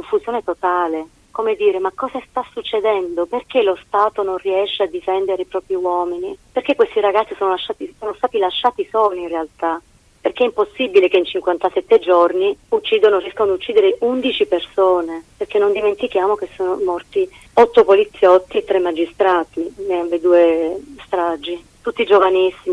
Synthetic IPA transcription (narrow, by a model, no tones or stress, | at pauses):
kkoɱfuzjoːnet̪ot̪aːle | komed̪iːɾemakːɔːzast̪asːut͡ʃːed̪ɛnd̪operk̟elost̪aːt̪ononriɛʃːead̪ːifɛnd̪eɾeipɾɔːpɾiwɔːminiperkekːwest̪iɾaɡat̪sːisoːnolaʃːaːt̪isoːnost̪aːt̪ilaʃːaːt̪isoːloiinrealt̪a | perkeɛimposːibilekeint͡ʃiŋkwant̪asɛt̪ːed͡ʒorniut͡ʃːiːd̪onoriɛskanoad̪ut͡ʃːiːd̪eɾeʔund̪it͡ʃipersoːneperk̟enːond̪iment̪ikjaːmok̟esːɔːnomɔrt̪i | ɔt̪ːopolit̪sːjɔt̪ːiet̪ːɾemːad͡ʒist̪ɾaːt̪imeaved̪uːest̪ɾad͡ʒːi | t̪ut̪ːid͡ʒovanisːimi